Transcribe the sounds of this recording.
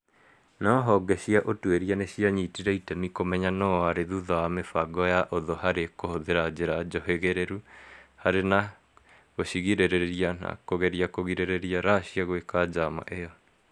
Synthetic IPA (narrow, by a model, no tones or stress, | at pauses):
nɔɦɔɡɛɕiaʔotweɾianeɕiaɲitiɾɛitɛmikomɛɲanɔaɾeðuðawamefaɡɔjaʔoðɔhaɾekohoðeɾad͡ʑeɾad͡ʑɔɦeɣeɾeɾuhaɾena | ɣoɕiɣiɾeɾeɾiana̰koɣɛɾiakoɣiɾeɾeɾiaɾaɕiaɣwekad͡ʑama̰ʔejɔ